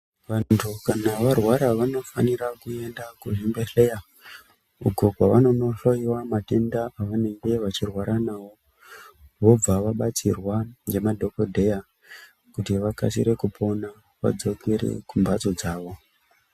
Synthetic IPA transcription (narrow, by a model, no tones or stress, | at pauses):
ʋantʰukanaʋarwaɾaʋano̞faniɾakue̞ndakuʐimbeɬe̞ja | uɡʱoɡʱwaʋano̞no̞ɬoiwamate̞ndaʔaʋane̞ŋɡe̞ʋat͡ʃirwaɾanawo̞ | ʋo̞b͡vaʋaɓat͡sḭrwane̞madʱo̞kodʱe̞ja | kutiʋaka̰siɾe̞kupʰo̞na | ʋa̰d͡zo̞keɾḛkumbat͡so̞d͡zaːʋo̞